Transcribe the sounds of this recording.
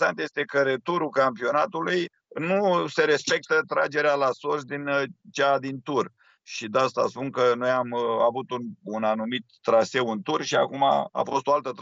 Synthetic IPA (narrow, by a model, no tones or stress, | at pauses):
sant̪je̞st̪e̞kəɾet̪uɾukampio̞nat̪uluj | nuse̞ɾe̞spe̞k̚t̪ət̪ɾa̰d͡ʒe̞ɾealasosd̪int͡ʃad̪int̪ur | ʃid̪aast̪a̰spunkəno̞jamavut̪ununanumit̪ːɾase̞wɨnt̪urʃia̰kuma̰a̰fo̞st̪o̞alt̪ət̪